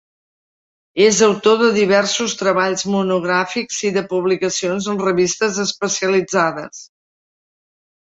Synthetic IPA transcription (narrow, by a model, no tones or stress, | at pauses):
ezəwt̪oðəðiβɛɾsust̪ɾəβaʎzmunuɣ̞ɾafikz̥iðəpuβlikəsionzənrəβist̪əzəspəsiəlid͡zaðə̰s